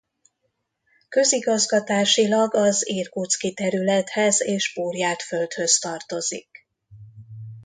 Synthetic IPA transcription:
kø̞ziɡɒzɡɒt̪aːʃilɒɡɒziːrkut̪skit̪ɛɾylɛt̪hɛzeːʒbuːrjaːt̪fø̞lt̪hø̞st̪ɒrt̪o̞zḭk

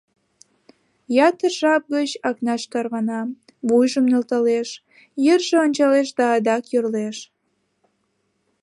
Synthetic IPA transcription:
jɑt̪ərʒɑp̚ɡət͡ɕɑknɑʃt̪ɑrβɑnɑ | βujʒəmnølt̪ɑleʃ | jərʒeonʲt͡ɕɑleʃd̪ɑːd̪ɑkjørleʃ

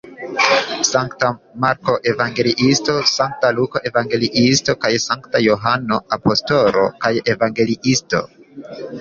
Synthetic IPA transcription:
saŋktamaɾko̞ʔe̞vaŋɡe̞liʔisto̞saŋk̚taluko̞ʔe̞vaŋɡe̞liʔisto̞kajsaŋktajo̞ɦano̞apo̞sto̞ɾo̞̰kaje̞vaŋɡe̞liʔisto̞̰

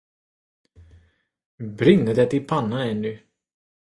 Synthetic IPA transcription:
bɾɪŋəd̪ɛt̪ɪlpʰanːaɛnlʏ

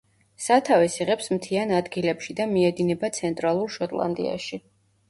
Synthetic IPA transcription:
sat̪ʰavɛsiʁɛpsmt̪ʰianad̪ɡilɛpʃid̪amiɛd̪inɛbat̪sʰɛnt̪ʼɾalˠuɾʃɔt̪ʼlˠa̰nd̪ḭa̰ʃi

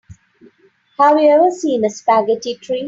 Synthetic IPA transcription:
hæʋiɛʋəsĩːnəspæɡəʈiʈʰɾiː

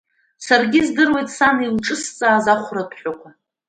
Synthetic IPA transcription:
sarɡʲizdɨrwe̞jtʼsanilʈ͡ʂʼɨst͡sʼaːzaχʷrapʰħʷᶣakʷʰa

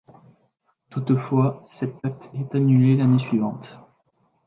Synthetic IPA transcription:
t̪ut̪fwasɛt̪̚d̪ak̚t̪ɛt̪anylelanesɥivɑ̰̃t̪

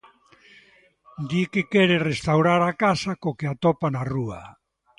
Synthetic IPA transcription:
d̪ikekɛɾerest̪awɾaɾakasakokeat̪ɔpanarua̰

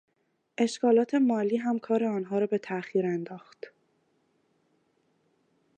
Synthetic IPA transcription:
ʔe̞ʃkɒːlɒːt̪ʰe̞mɒːliːɦæmkʰɒːɾe̞ɒːnɦɒːɾɒːbe̞t̪ʰæʔxiːɾend̪ɒːxt̪

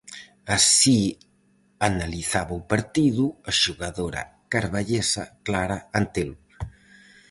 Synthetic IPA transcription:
asi | analiθaβaupaɾt̪iðuaʃuɣaðoɾa̰kaɾβaʎesa̰klaɾaant̪el

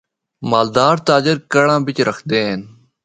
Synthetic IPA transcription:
maːld̪aːɾt̪aːd͡ʑɪɾkɐɽãːbɪt͡ɕɾɐxd̪eːn

